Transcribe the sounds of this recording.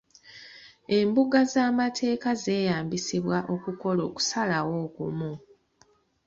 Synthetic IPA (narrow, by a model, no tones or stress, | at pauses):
e̞mbuɡazaːmatʰe̞ːkaze̞ːjaːmbisiβwaʔo̞kuko̞lo̞ːku̥salawo̞ːkṵmu